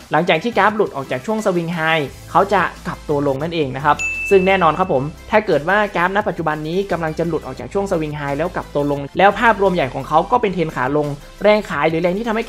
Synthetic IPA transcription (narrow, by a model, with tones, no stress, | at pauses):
la˩˦ŋt͡ɕaː˨˩k̚t̪ʰiː˥˩kaː˦˥p̚lu˨˩t̪̚ʔɔː˨˩k̚t͡ɕaː˨˩k̚t͡ɕʰu˥˩əŋsa˧wi˧ŋɦaː˧˩j | kʰa˦˥wt͡ɕa˨˩kla˨˩p̚t̪u˧ɐlo˧ŋna˥˩nʔeː˧ŋna˦˥kʰa˦˥p̚sɯ˥˩ŋnɛː˥˩nɔː˧nkʰa˦˥pʰːo˩˦mt̪ʰaː˥˩kɤː˨˩t̪̚waː˥˩kaː˦˥p̚na˦˥pa˨˩t̪̚t͡ɕu˨˩ba˧nːiː˦˥ka˧mla˧ŋt͡ɕa˨˩lu˨˩t̪̚ʔɔː˨˩kt͡ɕaː˨˩kt͡ɕʰu˥˩əŋsa˧wi˧ŋɦaː˧jlɛː˦˥wka˨˩p̚t̪u˧ɐlo˧ŋlɛː˦˥wpʰaː˥˩p̚ɾu˧əmja˨˩jkʰɔː˩˦ŋkʰa˦˥wkɔː˥˩pe˧nt̪ʰeː˧nkʰaː˩˦lo˧ŋ | ɾɛː˧˩ŋkʰaː˩˦jɾɯː˩˦lɛː˧ŋʰiː˥˩a˧h